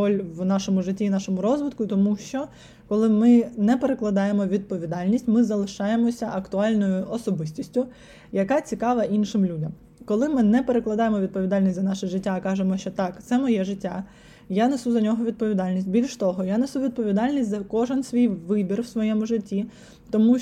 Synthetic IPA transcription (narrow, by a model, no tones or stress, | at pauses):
ɔlʲwnɑʃɔmʊʒɪtʲːinɑʃɔmʊɾɔzʋɪt̪kʊt̪ɔmuʃt͡ʃɔ | kɔlˠɪmɪnɛpeɾeklˠɐd̪ɑjemɔʋʲid̪̚pɔʋʲid̪ɑlʲnʲisʲtʲmɪzɐlˠɪʃɑjemɔsʲɐʔɐkt̪ʊɑlʲnɔjʊʔɔsɔbɪsʲtʲisʲtʲʊ | jɐkɑt͡sʲikɑʋɐʔinʃɪmlʲudʲɐm | kɔlˠɪmɪnɛpeɾeklˠɐd̪ɑjemɔʋʲid̪̚pɔʋʲid̪ɑlʲnʲisʲt̪ʲzɐnɑʃɛʐɪtʲːakɑʒemɔʃt͡ʃɔt̪ɑkt̪sɛmɔjɛʒɪtʲːa | janesuzɐnʲɔɦɔʋʲid̪̚pɔʋʲid̪ɑlʲnʲisʲt̚ʲbʲilʲʃt̪ɔɦɔjanesuʋʲid̪̚pɔʋʲid̪ɑlʲnʲisʲtʲzɐkɔʒensʋʲijʋɪbʲirwsʋɔjɛmʊʒɪtʲːi | t̪ɔmu